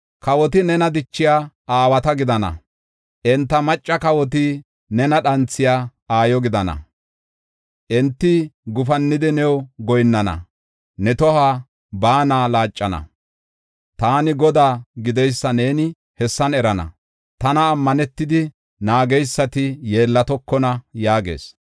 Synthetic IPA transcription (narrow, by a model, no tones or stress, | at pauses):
kɐwɔt̪̬ɪnɛnɐd̪ɪt͡ʃːɪjaːʔaːwɐt̪ɐɡɪd̪ɐnɐ̰ | ʔɛnt̪ːɐmɐt͡ʃʼːɐkɐwɔt̪̬ɪ | nɛnɐɗɐnt͡sːɪjaːaːjɔɡɪd̪ɐnɐ̰ | ʔɛnt̪ːɪɡʊfɐnːɪd̪ɪnɛwɡɔjnːɐnɐ̰ | nɛt̪ɔhaː | baːnaːlaːt͡ʃʼːɐnɐ̰ | t̪aːnɪɡɔd̪aːɡɪd̪ɛjsːɐne̞ːnɪ | hɛsːɐnɛɾɐnɐ̰ | t̪ɐnɐːmːɐnɛt̪ːɪd̪ɪ | naːɡɛjsːɐt̪ɪje̞ːlːɐt̪ɔkːɔnɐjaːɡḛːs